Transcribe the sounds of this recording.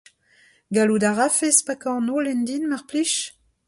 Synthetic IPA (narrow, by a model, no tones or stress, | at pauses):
ɡaludaʁafespakɑ̃nolɛnd̪inmaʁpliʃ